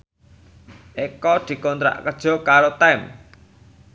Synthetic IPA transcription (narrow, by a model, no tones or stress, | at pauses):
ʔekɔd̪̥i̤kɔnt̪ɾa̰ʔkəd̥ʒ̥ɔ̤kaɾot̪am